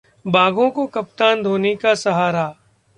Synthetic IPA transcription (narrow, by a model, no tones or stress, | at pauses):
baːɡõkokɐp̚t̪aːnd̪ʱoːnekasɐɦaːɾa